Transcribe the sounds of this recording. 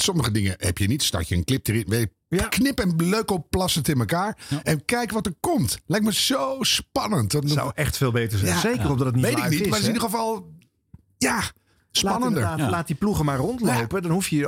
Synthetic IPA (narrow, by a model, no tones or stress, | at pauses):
sɔməχədɪŋəhɛ̰pjənitstɑ̰ɹcəənklɪp̚dəɾɪnʋej | knɪpɛnløɥkopːlɑsəntɪnməkaːɹɛnkɛjkʋɑtəɹkɔmtlɛjk̚məz̥owspɑnəntsa̰wɛχtfeːlˠbejtəɹzɛzejkərɔdɑdətniʋejtɪknitmaɪsnidəχəvɑlˠ | ja | spɑnəndəɹlaːtdipluχəmaːɹrɔntlowpədɑnhufjə